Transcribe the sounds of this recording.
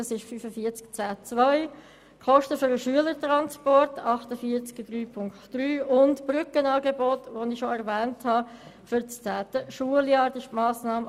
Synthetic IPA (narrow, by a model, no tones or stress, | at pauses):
ɑsɪʃfyfəfiət͡skt͡sæːt͡svœɪ | kχɔʃtəfʏɾəʃyələɾtʁɑnspɔɾtʰɑχtəfiːɾt͡skd̥ɾyːpʰʊŋktd̥ɾyːʊntb̥rʏkənɑːɡebotʋonɪʃoɛɾvɛːnthɑfʏɾt͡st͡sæːtəʃuəljɑːɾdɪʃtmɑːsnɑːm